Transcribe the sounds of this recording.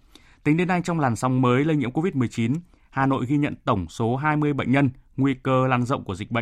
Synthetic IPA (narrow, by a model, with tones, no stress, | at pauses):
t̪i˨˦ŋɗi˨˦na˧jt͡ɕɔ˧wŋ͡mlaː˨˩nsɔ˨˦wŋ͡mməː˨˦jlə˧jŋḭ˧˥əmko˧vi˦˥t̚mɨ˨˩əjt͡ɕi˨˦n | haː˨˩no̰˧˨jɣi˧ɲə̰˧˨nt̪ə˧˩wŋ͡mso˨˦ɦaː˧jmɨ˧əjɓə̰˧˨ŋ̟ɲə˧nŋwi˧kəː˧laː˧nzə̰˧˨wŋ͡mku˧˩zï˨˩k̚ɓə̰˧˨ŋ